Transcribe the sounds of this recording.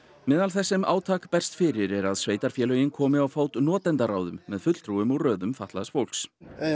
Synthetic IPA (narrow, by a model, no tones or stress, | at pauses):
mɛðalθɛsːɪma̰ːwt̪ʰaːkpɛr̥st̪fɪɾɪɾɛɾaðsveːjt̪aɾ̥fjɛːlœjɪnkʰɔːmɪawfaːwt̪nɔːt̪ɛnt̪aɾaːwðʏmːɛðfʏt̪l̥t̪ɾuʏmɔɣrœːðʏmfat̪laðsfowl̥ks